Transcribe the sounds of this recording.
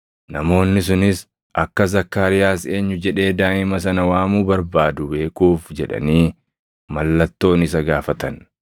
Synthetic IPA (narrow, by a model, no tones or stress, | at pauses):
nɐmo̞ːnːɪs̬ʊnɪs | ʔɐkːɐzɐkːaːɾɪjaːse̞ːɲːʊd͡ʒɛᶑe̞ːd̪aːʔɪmɐsɐnɐwaːmuːbɐɾbaːd̪ʊbe̞ːkuːfd͡ʒɛᶑɐ̰niː | mɐlːɐt̪ːo̞ːnɪs̬ɐɡaːfɐt̪ɐn